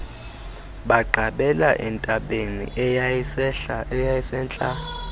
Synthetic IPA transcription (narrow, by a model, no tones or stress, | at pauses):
ɓaɡ͡ǃʱaɓɛlaʔɛntʼaɓenḭʔɛjasɛɛjajɛsɛnt͡ɬʼa